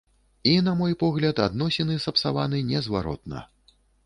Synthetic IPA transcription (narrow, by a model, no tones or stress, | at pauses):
inamɔjpɔɣlʲɐt̪ad̪nɔsʲɛnɨsɐpsavanɨnʲɛzvaɾɔ̰t̪̚nɐ̰